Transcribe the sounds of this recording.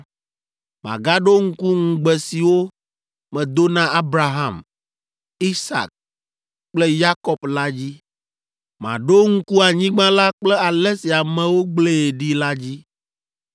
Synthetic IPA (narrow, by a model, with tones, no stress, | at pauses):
mã̰˨ɡa˦ɖo˦ŋ̩˦ku˦ŋ̩̃˨ɡ͡bɛ˨si˨wo˦ | mɛ̃˨d̪o˦nã˦a˦bɾa˦ɦã˨m | i˦sa̰˨k̚ | k͡plɛ˦ja˦kɔ˦pla˦d͡ʑi˦ | mã̰˨ɖo˦ŋ̩˦ku˦a˨ɲĩ˦ɡ͡bã˦la˦k͡plɛ˦a˨lɛ˦si˨a˨mɛ̃˨wo˦ɡ͡ble˦e˨ɖi˦la˦d͡ʑi˦